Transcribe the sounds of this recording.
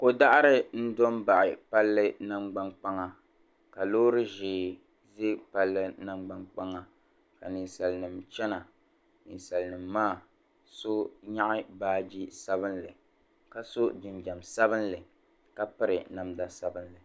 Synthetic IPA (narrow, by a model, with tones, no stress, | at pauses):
ko˨da˦ʔa˦ɾɪ˦n̩˦do˦mba˨ʔɪ˨pa˦lːɨ˦na˦mɡ͡ba˦nk͡pa˦ŋa˨ | ka˨loː˦ɾɨ˦ʒɪː˨ | ze˦pa˦lːɨ˦na˦ŋ͡mɡ͡ba˦nk͡pa˦ŋa˦ | ka˨nɨ˨nsa˨lnɨ˨mt͡ʃɛ˦na˨ | nɨ˨nsa˨lnɨ˨mːaː˦˨ | so˦ɲa˦ʔɪ˦baː˦d͡ʒi˦sa˦βɨ˦nlɨ˨ | ka˦so˦d͡ʒɪ˨nd͡ʒa˨msa˦βɨ˦n˦lɨ˨ | ka˦pɨ˦ɾɨ˨na˨mda˦sa˦bɨ˦nlɨ˨